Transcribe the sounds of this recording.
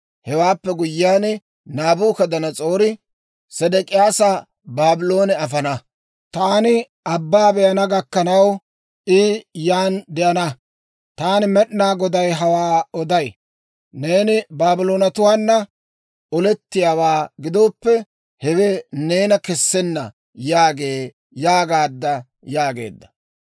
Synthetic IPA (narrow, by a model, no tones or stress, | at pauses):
hɛwaːpːɛɡʊjːɪaːnɪ | naːbuːkɐd̪ɐnɐt͡sʼo̞ːɾɪ | sɛd̪ɛkʼɪjaːsa | baːbɪlo̞ːnɛɐfɐnɐ | t̪aːnɪ | ʔɐbːaːbɛjɐnɐɡɐkːɐnɐw | ʔɪjaːnd̪ɛʔɐnɐ | t̪aːnɪmɛɗnaːɡɔd̪ɐjɦɐwaːɔd̪ɐj | ne̞ːnɪbaːbɪlo̞ːnɐt̪ʊwaːnːɐ | ɔlɛt̪ːɪjaːwaːɡɪd̪oːpːɛ | hɛwɛne̞ːnɐkɛsːɛnːɐ̰ | jaːɡe̞ː | jaːɡaːd̪ːɐ | jaːɡe̞̰ːd̪ːɐ̥